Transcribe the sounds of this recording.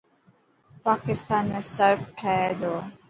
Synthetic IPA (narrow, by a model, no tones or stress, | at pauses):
paːkɪst̪aːnmesəɾfʈʰaed̪oː